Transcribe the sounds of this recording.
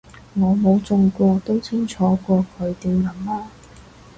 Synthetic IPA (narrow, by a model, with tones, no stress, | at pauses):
ŋɔː˨˧mo˨˧˥wt͡sʊ˨˧ŋkʷɔː˧t̪o˥wt͡sʰɪ˥ŋt͡sʰɔː˨˧˥kʷɔː˧kʰɵ˨˧ɥt̪e˨jlɐ˨˥mlaː˥